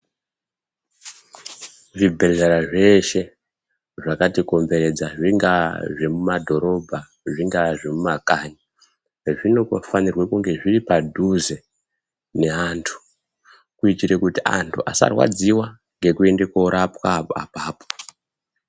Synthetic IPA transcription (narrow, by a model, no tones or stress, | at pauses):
ʐibʱe̞ɮeɾaʐe̞ʃe̞ | ʐakatiko̞mbe̞ɾe̞d͡zaʐiŋɡaʐemumadʱo̞ɾo̞bʱa | ʐiŋɡaʐemumakaɲa | ʐinoko̰fanirwekuŋɡe̞ʐiripadʱuze | ne̞antʰu̥ | kuitiɾekutia̰ntʰuʔa̰sa̰rwa̰d͡ziwa | ŋɡe̞kue̞ndekoɾapwaa̰paːpo̥